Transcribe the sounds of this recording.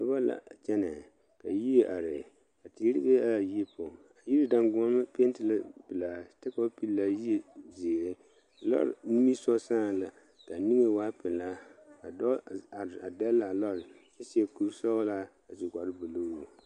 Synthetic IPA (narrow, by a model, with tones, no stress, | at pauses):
ɔ˦ba˦la̰˨t͡ʃɛ˦nɛ˨ | ka˨ji˦e˦ʔa˨ɾɪ˨ | ka˨ti˨˦ɾi˦be˦a˦˨ji˦po˨ | a˨ji˦ɾi˦da˨ŋɡʊ˨˦a˦m˦pe˦n˦tɪ˨la˦pɨ˨la˨tɛ˦ka˦pi˦lla˦ji˦e˨ze˨ɾe˦ | a˨lɔ̰˦ɾ̰ni˦mi˦sɔ˦saː˦˨la˨ | ka˨ni˦ŋe˦waː˦pɪ˨la˦a˨dɔ˦˨a˨da˦la˨lɔ˦ɾɪ˨ | ɛ˦si˦ɛ˦ku˦ɾsɔ˦la˦ | a˨zi˨ɡʷa˨ɾɪ˦bo˨lo˦o˨